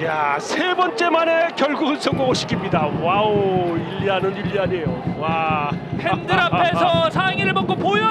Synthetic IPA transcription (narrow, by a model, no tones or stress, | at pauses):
jasʰebʌnt͡ɕ͈e̞mane̞kjʌɭɡuɡɯɭs͈ʰʌŋɡoŋoɕʰi̥kʰimɲidawaoiʎːiɦanɯniʎːiaɲejowahendɯɾapʰe̞sʰʌsʰaeŋiɾɯɭmʌk͈opojʌ